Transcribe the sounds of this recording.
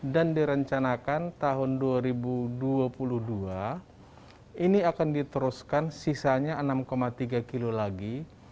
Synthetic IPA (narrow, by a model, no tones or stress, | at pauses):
dandiɾəɲt͡ʃanakant̪aɦʊnduaɾibuduapuluhdua | iniakandit̪əɾuskansisaɲaənamkomat̪iɡakilolaɡi